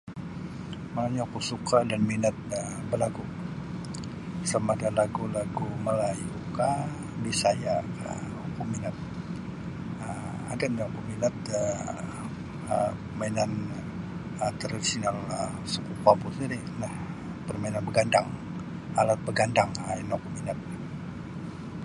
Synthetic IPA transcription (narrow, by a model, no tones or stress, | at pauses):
manaɲaukusukadanminat̪̚əbərlaɡu | samadalaɡulaɡuməlajuka | bisajaka̰ | ukuminat̪̚ | ə | a̰danaŋpuminat̪̚ə | əpəmainan | ət̪əɾadisinalə | səkukapusiɾi | nah | pərmainanbəɡandaŋ | alat̪̚bəɡandaŋainokuminat̪̚